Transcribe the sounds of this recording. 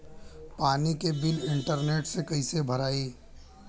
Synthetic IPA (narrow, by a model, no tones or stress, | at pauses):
paːnikebɪlɪ̃ɳʈəɾneːʈsekɐisebʱɐɾaːiː